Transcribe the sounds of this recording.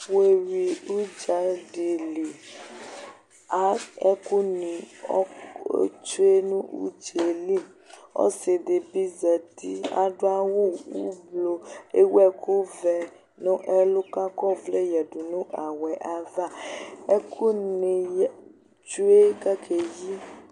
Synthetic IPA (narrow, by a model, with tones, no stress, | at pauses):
we˨wi˨u˦d͡ʒa˨ɖi˨li˨ | a˦ɛ˦ku˦nĩ˨ɔ̰˦ | t͡ʃu˦e˦nũ˦ṵ˦d͡ʒe˨li˦˨ | ɔ̰˦se˨de˨bi˦zɛ˨t̪i˦a̰˨ɖo˦a˦wo˦wṵ˦blo˨e˦wu˦ɛ˨kʰu˦vɛ˨ | nũ˦ʔɛ˦lu˦ka˦kɔ˦vle˦jɛ˨ɖu˨nũ˦ʔa˨wɛ˨ʔa˨va˦e˦kʰu˦ni˨ | t͡ʃu˦e˦ka˦kʰe˨ji˦